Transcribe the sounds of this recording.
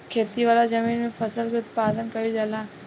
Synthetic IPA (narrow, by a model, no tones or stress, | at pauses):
kʰeːt̪iʋaːlad͡ʒɐmiːnmẽpʰɐsəlkiʊt̪̚paːd̪ənkɐjid͡ʒalaː